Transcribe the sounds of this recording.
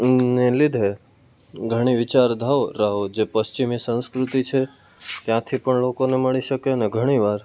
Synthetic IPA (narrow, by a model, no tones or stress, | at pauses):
nelid̪ʱe | ɡʱəɽ̃iʋɪt͡ʃaɾd̪ʱaʋɾaɦod͡ʒepəst͡ʃimisə̃nskɾut̪it͡ʃʰe | t̪jãt̪ʰipəɳlokoneməɭiʃəkeneɡʱəɽ̃iʋaɾ